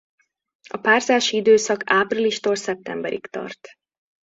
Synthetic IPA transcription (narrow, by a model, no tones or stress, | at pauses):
ɒpaːrzaːʃiid̪øːsɒkaːpriliʃt̪olsɛp̚t̪ɛmbɛɾʔḭkt̪ɒ̰rt̪